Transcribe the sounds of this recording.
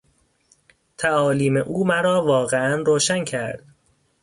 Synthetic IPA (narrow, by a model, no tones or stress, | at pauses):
t̪ʰæɒːliːmeʔuːmæɾɒːvɒːɣeænroːʃæncʰæɾd̪̥